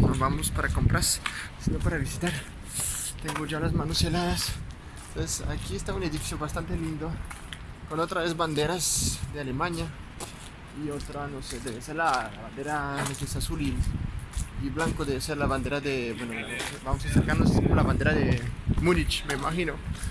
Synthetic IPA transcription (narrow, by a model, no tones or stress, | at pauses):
noβamospaɾakompɾʔassinopaɾaβisit̪aɾ | t̪eŋɡoʝalazmanoselaðas | t̪onsesa̰kiest̪auneðifisjobast̪ant̪elind̪o | konot̪ɾaβezβand̪e̞ɾazd̪ealemãɲa | iot̪ɾanosed̪eβeseɾlalaβand̪eɾanesesasuli | iβlaŋkoðeβeseɾlaβand̪eɾaðeβwenoaβamosaseɾkaɾnoskomolaβand̪eɾaðemunit͡ʃmeimaxino